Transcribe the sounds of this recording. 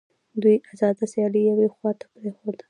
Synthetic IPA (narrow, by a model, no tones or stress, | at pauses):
d̪ujazɑd̪asjɑlejawexwɑt̪ḁpɾexod̪ə